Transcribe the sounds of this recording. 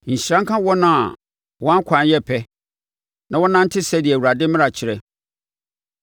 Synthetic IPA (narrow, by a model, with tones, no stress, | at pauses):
ɲ̩˨ɕɾã˦ŋ̩˦kʰã˦wɔ˦nã˦a˨ | wɔ˦ã˦ŋ˦kʷʰã˨n˦jɛ˦pʰɛ˦ | nã˨wɔ˦nã˦n̩˦tʰɪ˦sɛ˦di˨ɛ˨wu˨ɾa˨dɪ̃˦mɪ̃˦a˨t͡ɕʰɪ˨ɾɛ˨